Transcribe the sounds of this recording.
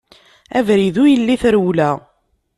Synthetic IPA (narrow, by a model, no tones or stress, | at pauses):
ævɾiðujəlːiθɾwlæ